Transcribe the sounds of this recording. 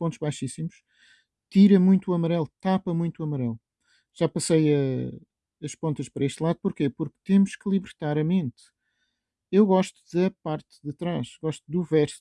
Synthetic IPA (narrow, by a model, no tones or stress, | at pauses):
põnt̪ʒβajʃisimuʃ | t̪iɾɐmũj̃t̪uɐmɐɾɛlˠt̪apɐmũj̃t̪uɐmɐɾɛlˠ | ʒ̥apɐsɐjɐ | ɐʃpõnt̪ɐʃpɐɾɐeʃt̪lˠaðupuɾkepuɾk̚t̪emuʃklˠiβɨɾt̪aɾɐmẽnt̪ | ewɣɔʃt̪uðɐpaɾt̪ðɨt̪ɾaʃɣɔʃt̪ud̪uvɛɾs